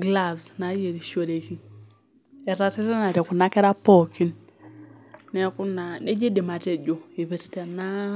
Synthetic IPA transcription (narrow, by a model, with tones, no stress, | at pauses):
ɡla˦˨vsna˨˦je˨ɾi˨ʃo˨ɾe˨ki˦n | ɛ˨ɾa˨te˦ta˦na˨tɛ˨ku˨na˦kɛ˦ɾa˦po˦˨ki˦n | ne˦ku˦na˨ne˦d͡ʒe˦di˨ma˨te˦˨d͡ʒo˨i˨βe˨tte˨na˦